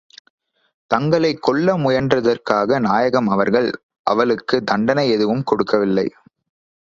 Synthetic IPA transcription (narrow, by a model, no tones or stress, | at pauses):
t̪ɐŋɡɐɭɐɪkːɔɭːɐmʊjɐndrɐðɐrkaːɣɐnaːjɐɣɐmɐʋɐɾɣɐɭ | ʔɐʋɐɭɯkːɯd̪ɐɳɖɐnɐɪɛðɯʋɯmkɔɽɯkːɐʋɪlːɐɪ